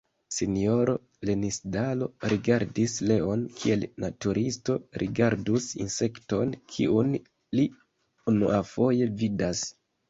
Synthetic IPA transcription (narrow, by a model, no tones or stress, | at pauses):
sinio̞ɾo̞ | le̞nisdalo̞ɾiɡaɾdisle̞o̞nkʰie̞lnatuɾʔisto̞ɾʔḭɡaɾdusḭnse̞kto̞nkʰḭun | li | unuʔafo̞je̞vidas